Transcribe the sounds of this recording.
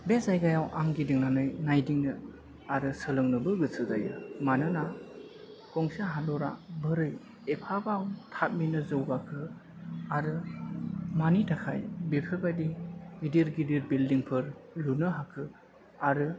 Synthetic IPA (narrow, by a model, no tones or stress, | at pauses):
bezajɡajawʔaŋɡidiŋnanɯjnajdiŋnɯ | aɾɯsɯlɯŋnɯbɯɡɯsʰɯzajɯmanɯna | kɔŋsaɦandɔɾa̰bɯɾɯj | epʰabawtʰat̚minɯzɯwbakʰɯ | aɾɯ | manitʰakʰa̰jbepʰɯbadiɡidiɾɡidiɾbildiŋpʰɯɾlunɯɦakʰɯ | aɾɯ